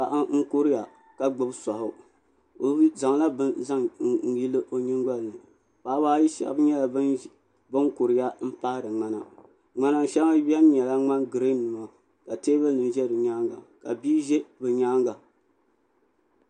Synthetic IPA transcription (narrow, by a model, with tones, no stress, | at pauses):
ka˨ʔa˦ŋ̩˦kʊ˦ɾɪ˦ja˨ | ka˨ɡ͡bɨ˦bsɔ˨hʊ˨ | o˨˦za˨ŋ˨la˦bɨ˦za˦ŋ̩˨˦ji˦lɨ˦ʔo˨ɲi˦ŋɡ͡ba˦lnɨ˨ | paː˨˦baː˦ji˦ʃa̰˨ʔbɲɛ˦la˨˦ | bɨ˦ŋkʊ˨ɾɪ˨ja˦m̩˦paː˦ɾɨ˨ŋ͡ma˦na̰˨ | ŋ͡ma˦na˨n˨ʃɛ˦a˦bɛ˦n˦ɲɛ˨la˦ŋ͡ma˦nɡɨ˨ɾe˦nɨ˨ma˨ | ka˨teː˦bɨ˦lnɨ˨n˨ʒɛ˦dɨ˨ɲaː˦ŋɡa̰˨ka̰˨biː˦ʒɛ˦bɨ˨ɲaː˦ŋɡa˨